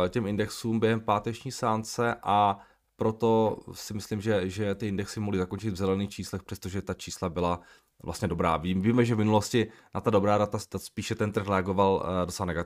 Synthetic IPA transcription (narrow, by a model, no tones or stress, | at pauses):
cɛmɪndɛksuːmbjɛɦɛmpaːt̪ɛt͡ʃɲiːsaːnt͡sɛʔa | pɾot̪o̞sɪmɪslimʒɛʒɛt̪ɪʔɪndɛksɪmoɦlɪzako̞nt͡ʃɪd̪vzɛlɛniːxt͡ʃiːslɛxpr̥ɛst̪oʒɛt̪at͡ʃiːslabɪla | vlʔa̰st̪ɲɛdo̞bɾa̰ːviviːmɛʒɛvmɪnuloscɪnat̪ado̞bɾaːdat̪aaspiːʃɛt̪ɛnt̪r̩xɾɛaɡo̞valdot͡sɛlanɛɡat̪